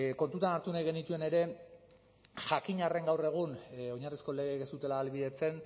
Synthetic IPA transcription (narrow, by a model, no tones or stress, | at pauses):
ko̞nt̪ut̪anaɾt̪unajɣ̞e̞nit̪ue̞ne̞ɾe̞ | ʝakiɲare̞ŋɡawre̞ɣ̞uno̞ɲarisko̞le̞ɣekesut̪e̞laːlβiðe̞t͡se̞n